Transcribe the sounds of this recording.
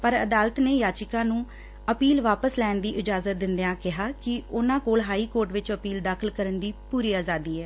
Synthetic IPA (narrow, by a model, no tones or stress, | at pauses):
pəɾəd̪aːlət̪neːjaːt͡ʃɪkãːnũː | əpiːlʋaːpəslɛːnd̪iːʔɪd͡ʒaːzət̪̚d̪ɪnd̪jãːkɪɦaːkɪʊnãːkoːlɦaːiːkoːɾʈʋɪt͡ʃəpiːld̪aːkʰəlkəɾənd̪iːpuːɾiːaːzaːd̪iːɛː